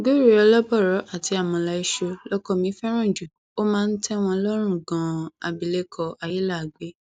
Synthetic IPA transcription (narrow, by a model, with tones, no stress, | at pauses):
ɡo˦ɾi˦˨ɔ˧lɔ˦bɔ˦˨ɾɔ˨˦ʔa˦˨ti˧˦a˦˨mɔ̃˧la˧i˧ʃo˧lɔ˦kɔ˧mĩ˨˦fɛ˦ɾ̃ũ˦˨d͡ʒu˨ | o˦mãː˦˧n̩˦tʰɛ˦w̃ɔ̃˧lɔ˦ɾ̃ũ˦˨ɡã˨a˨bi˨le˦kʰɔ˧a˨ji˦la˦˨ɡ͡be˨˦